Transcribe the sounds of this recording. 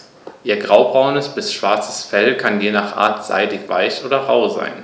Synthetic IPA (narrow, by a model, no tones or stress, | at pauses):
ʔiːɐɡʁaʊbʁaʊnəsb̥ɪsʃv̥aɐt͡sə̥sfɛlkʰanjeːnaːχʔa̰ːɐtz̥a̰ɪdɪçv̥a̰ɪçʔoːdɐʁaʊza̰ɪn